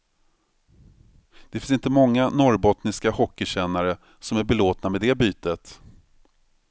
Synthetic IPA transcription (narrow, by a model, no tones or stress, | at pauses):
d̪̥ɛfɪnsɪnt̪əmɔŋːanɔɾbɔt̪nɪskahɔkːɪɕɛnːaɾə | sɔmæɾbɛloːt̪namɛd̪ɛbyːt̪ət̪